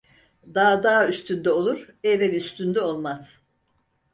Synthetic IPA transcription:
d̪aːd̪aːyst̪ʰynd̪ɛo̞lˠuɾ̥ɛvɛnyst̪ʰynd̪ɛo̞lˠmaz̥

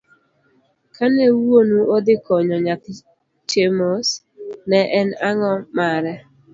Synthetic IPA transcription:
kʰanɛwonuʔod̪ɪkɔɲɔɲak | t͡ʃemos | nɛʔɛnaŋɔmaɾɛ

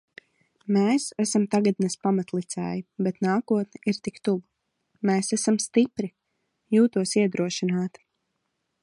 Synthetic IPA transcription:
meːsæsamt̪aɡad̪naspamat̪lˠit̪sɛ̰ːjibet̪naːkuɔt̪nʲɛʔiɾt̪ikt̪uv | meːsæsamst̪ipɾi | juːt̪uɔsiɛd̪ɾuɔʃinaːt̪

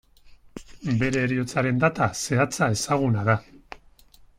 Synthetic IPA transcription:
be̞ɾe̞ːɾio̞t͡saɾe̞nd̪at̪ase̞at͡sae̞saɣ̞unaða

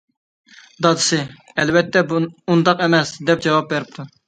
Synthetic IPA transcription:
d̪ɑd̪ɨsɨ | ɛlvɛt̪ʰːɛund̪ɑqɛmɛsd̪ɛp̚d͡ʒɑwɑp̚bæɾɪp̚t̪ʰu

